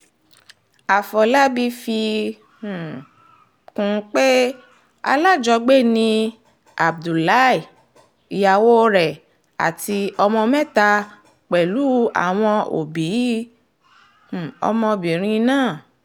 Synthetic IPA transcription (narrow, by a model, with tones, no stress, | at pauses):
a˨fɔ˨la˦bi˦fĩ˧˨ | kũ˨˧˦k͡pe˦ | a̰˧la˦˨d͡ʒɔ˧ɡ͡be˦˨nĩ˧ | a˨b̚du˨la˦i˨ | i˨ja˨wo˦ɾɛ˨ | a̰˨ti˧ɔ˧mɔ̃˧mɛ̃˦ta˧ | k͡pɛ˨lu˨˦a̰˨w̃ɔ̃˧ʔo̰˨bi˨˦˨ | ɔ̰˧mɔ̃˧bĩ˨ɾ̃ĩ˧nãː˦˨